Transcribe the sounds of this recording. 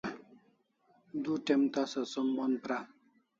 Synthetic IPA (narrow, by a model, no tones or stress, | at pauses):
d̪uʈemt̪asɐsomːonpɾa